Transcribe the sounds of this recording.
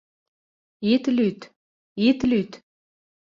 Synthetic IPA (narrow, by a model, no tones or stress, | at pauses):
it̪lyt̪ | it̪lyt̪